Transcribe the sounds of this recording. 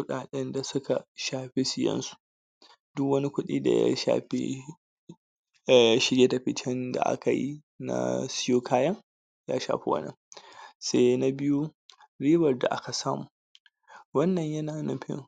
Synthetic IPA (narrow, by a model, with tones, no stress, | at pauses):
kʷʊ˦ɗaː˨ɗɛ˦nda˨sʊ˦ka˨ʃaː˨ɸe˦sɪ˨jɐ̰˦nsu̥˨ | dʊ˦kwɐ˦ni˦kʷʊ˦ɗḭː˦da̰˨ja̰˦ʃa̰ː˨ɸḛ˦˨ | ʃɪ˨ɽje˦ta˨ɸɪ˦t͡ʃɛ˦nda̰˨ʔa̰˦ka˨jḭ˦ | na̰˦˨sɪ˦joː˦kʰaː˦jɐ˦ŋ | ja̰ː˦ʃa̰ː˨ɸi˦wɐ̰˦nɐ̰˨ŋse˦na˦bɪ˦ju˦ | ɾiː˦bɐ˨rda̰˨ʔa˦ka˨saː˦mṵː˨ | wɐ˦nːɐ˨ɲjɐ˦naː˨na˦ɸɪ̰˦ŋ